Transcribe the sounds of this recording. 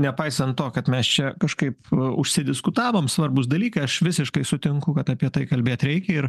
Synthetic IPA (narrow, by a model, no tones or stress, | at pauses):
nʲɛpɐɪsʲɐnt̪̚t̪oːkɐt̪mʲɛst͡ʃʲɛkɐʃkɐɪpʊʃʲsʲɪd̪ʲɪskʊt̪ɑːʋoːmsʋɐrbʊsd̪ɐlʲiːkɐɐʃʋʲɪsʲɪʃkɐɪsʊt̪ʲɪŋkʊkɐt̪ɐpʲiɛt̪ɐɪkɐlʲbʲeːt̪ɾʲɛɪkʲɛɪr